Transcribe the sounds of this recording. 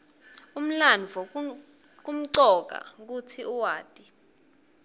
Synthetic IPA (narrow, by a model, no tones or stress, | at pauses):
um̩lanvʱɔ | k̬um̩ǀɔk̬a̰k̬utʰiuwaːtʼi